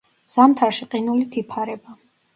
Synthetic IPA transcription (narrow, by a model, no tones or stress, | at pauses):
z̥amt̪ʰaɾʃiqʼinulit̪ʰipʰaɾɛba